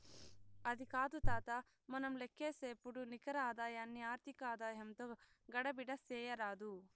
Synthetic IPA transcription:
ɐd̪ikaːd̪ut̪aːt̪ɐ | mɐnɐmlekʰːeːseːpuɽunikɐɾaːd̪aːjaːnːiaːɾt̪ʰikaːd̪aːjɐmt̪o | ɡɐɽɐbiɽɐsɛːjɐɾaːd̪u

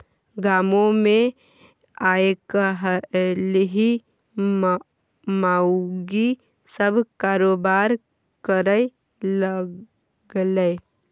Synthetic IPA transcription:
ɡaːmõmẽ | aːekəɦlɦi | maːɡi | səbʱkaːɾoːbaːɾ | kəɾəe | l | ɡle

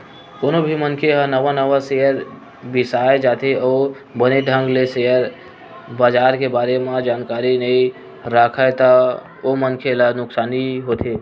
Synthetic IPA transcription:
konobʱimənkʰeɦə̃nəʋanəʋaseəɾ | bisaed͡ʒat̪ʰeɔː | bəneɖ̪ʱə̃ŋɡlesejəɾ | bad͡ʒaɾkebaɾemẽd͡ʒaːnkaɾinəi | ɾakʰajt̪ə | omənkʰelanʊksaniɦot̪ʰe

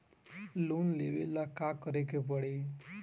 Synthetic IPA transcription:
lunleʋḛlakakəɾekepəɽe

